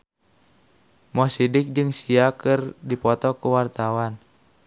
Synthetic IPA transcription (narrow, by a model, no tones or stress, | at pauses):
mɔsidɪk̚d͡ʒɨŋsiakɨrdipɔt̪ɔkuwart̪awan